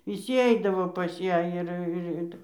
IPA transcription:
ʋʲɪˈsʲiː ˈɛɪdɐʋoː pɐs ˈjæː ɪr ɪr ˈɪtɐɪ

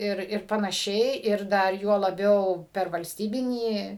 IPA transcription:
ˈɪr ɪr pɐnɐˈʃʲɛɪ ɪr ˈdɐr juɔ lˠɐˈbʲɛʊ pʲɛr ʋɐlʲsʲˈtʲiːbʲɪnʲiː

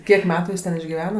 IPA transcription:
ˈkʲiɛk ˈmʲæːtʊ ˈjɪs tʲɛn ɪʒʲɡʲɪˈʋʲæːnɐ

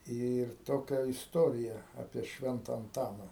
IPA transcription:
ɪr ˈtoːkʲɛ ɪsˈtoːrʲɪjɛ ˈɑːpʲiɛ ˈʃʲʋʲɛntɐ ɐnˈtɑːnɐ

